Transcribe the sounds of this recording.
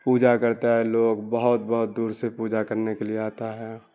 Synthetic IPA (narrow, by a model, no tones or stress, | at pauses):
puːd͡ʒakəɾt̪aɦɛloːɡbəɦʊt̪bəɦʊt̪̚d̪uːɾsepuːd͡ʒakəɾnekelieaːt̪aɦɛː